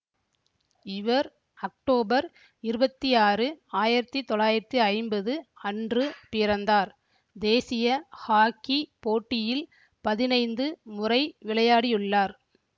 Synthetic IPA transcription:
ɪʋɐɾ | ɐk̚ʈoːbɐɾ | ɪɾɯbɐt̪ːiaːrɯaːjɪɾɐt̪ːit̪ɔɭaːjɪɾɐt̪ːiɐɪmbɐðɯɐndrɯpɪɾɐnd̪aːɾ | d̪eːsɪjɐhaːkːipoːʈːɪjɪl | pɐðɪnɐɪnd̪ɯmʊrɐɪʋɪɭɐjaːɽɪjʊɭːaːɾ

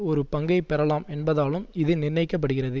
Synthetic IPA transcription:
ɔɾɯpɐŋɡɐɪpːɛɾɐlaːmɛnbɐðaːlɯmɪðɯnɪrnɐɪkːɐp̬ːɐɽɯɣɪrɐðɯ

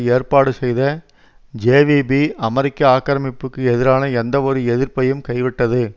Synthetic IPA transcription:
eːrpaːɽɯsɛjðɐ | d͡ʒeːʋiːbiɐmɐɾɪkːɐaːkːɪɾɐmɪpːɯkːɯɛðɪɾaːnɐɛnd̪ɐɔɾɯɛðɪɾpɐjɯmkɐɪʋɪʈːɐðɯ

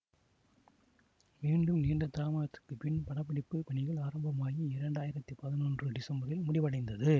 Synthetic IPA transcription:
miːɳɖɯmniːɳɖɐt̪ːaːmaːɐt̪ːɯ̥kːɯpɪnpɐɽɐpːɐɽɪpːɯpɐɳɪɣɐɭaːɾɐmbɐmaːjiɪɾɐɳɖaːjɪɾɐt̪ːɯpɐðɪnoːndrɯɖɪsɐmbɐɾɪlmʊɽɪʋɐɽɐɪnd̪ɐðɯ

